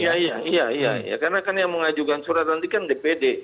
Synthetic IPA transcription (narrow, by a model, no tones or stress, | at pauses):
ijaijaijaija̰ḭja̰kanakanjamuŋad͡ʒuɡansuɾazand̪ikandɛpɛdɛ